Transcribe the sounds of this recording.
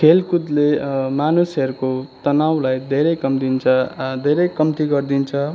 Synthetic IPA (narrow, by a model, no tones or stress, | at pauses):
kʰelkud̪lemanusʌɾukot̪ʌnawlajd̪ʱeɾʌjkʌmd̪int͡sʰʌd̪ʱeɾʌjkʌmt̪iɡʌrd̪int͡sʰʌ